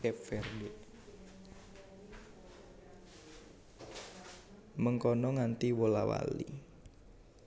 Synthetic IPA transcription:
ɛfɛrnɪʔ | məŋkɔnɔŋant̪iwolawa̰lḭ

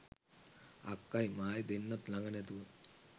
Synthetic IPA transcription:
ɐkːɐjmaːjid̪inːɐt̪lɐŋɡɐnet̪uu

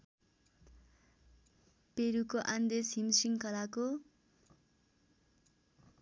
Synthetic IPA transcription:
peɾukoʔand̪esɦimsiŋkʌlako

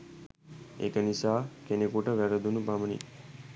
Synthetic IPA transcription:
ḛkənisaːkenekuʈəʋɛɾəd̪unubʱamənḭ

